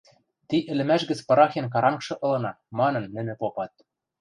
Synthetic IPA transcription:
t̪iʔɘ̆lɘ̆mæʃɡɘ̆t͡spɤɾɑxenk̬ɑɾɑŋkʃɤ̆ʔɤ̆lɤ̆nɑ | mɑnɤ̆nːɘ̆nɘ̆popɑt̪̚

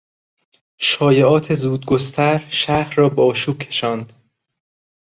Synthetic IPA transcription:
ʃɒːjeʔɒːt̪ʰe̞zuːd̪̚ɡost̪ʰæɾʃæhɾɾɒːbeɒːʃuːb̥̚cʰe̞̥ʃɒːnd̪̥

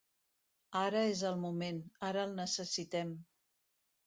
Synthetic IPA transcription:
aɾəezəlˠmumenaɾəːlˠnəsəsit̪ɛm

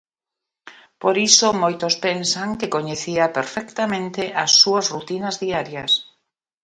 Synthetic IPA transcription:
poɾisomojt̪ospensaŋkekoɲeθiapeɾfɛkt̪amẽnt̪ɪʔɐsːuɐsrut̪inazðiaɾjɐs

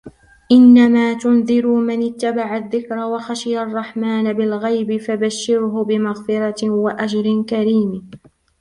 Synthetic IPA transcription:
ʔɪnːamaːt̪ʊnðɪɾumɪnɪt̪ːabaʕaðːɪkɾawaxaʃɪjarˤːɑħmaːnabɪlɣajbɪfabaʃːɪɾɦʊbɪmaɣfɪɾˤɑwaʔad͡ʒɾɪnkaɾiːm

